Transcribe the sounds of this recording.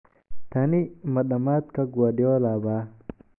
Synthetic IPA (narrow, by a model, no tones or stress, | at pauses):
t̪animɐɗɐmaːt̪̚kaɡwadjolaːba